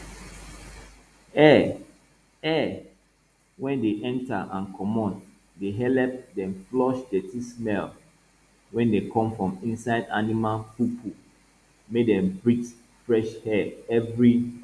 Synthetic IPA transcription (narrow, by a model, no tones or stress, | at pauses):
ɛ | ɛ | wɛ̃ndeʔɛ̃nta̰ʔãnkʰɔmɔ̃nt | deɦɛlɛp̚dɛ̃mflɔʃdɛtismɛl | wɛ̃ndekʰɔ̃mfɹɔ̃mĩnsaɪdanimalpupʰu | medɛ̃mbɹit | fɹɛʃhɛɛvɹi